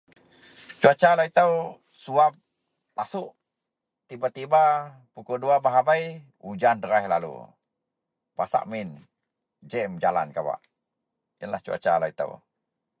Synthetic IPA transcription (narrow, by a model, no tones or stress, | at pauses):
t͡ʃuat͡ʃalait̪əw | suap̚ | lasuʔ | t̪ibat̪iba | pukɔduabaɦabaj | ud͡ʒandəɾaɦlalṵ | pa̰sa̰ʔmin | d͡ʒɛmd͡ʒala̰nkaba̰ʔ | jənla̰ht͡ʃua̰t͡ʃa̰lait̪ə̰w